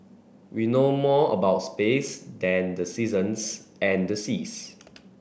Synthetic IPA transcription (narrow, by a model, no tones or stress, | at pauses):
winomɔə̰baʊtspesdɛ̃ndəsizə̃nsɛ̃ndəsis